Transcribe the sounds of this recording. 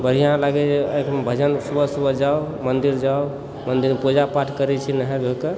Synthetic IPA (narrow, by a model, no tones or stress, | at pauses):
bəɽ̤ijãlaɡɛd͡ʒekmebʱəd͡ʒənsubəsubəd͡ʒaomənd̪iɾd͡ʒao | mənd̪iɾpud͡ʒapaʈʰkəɾɛt͡ʃʰinəɦɛ̃bʱeke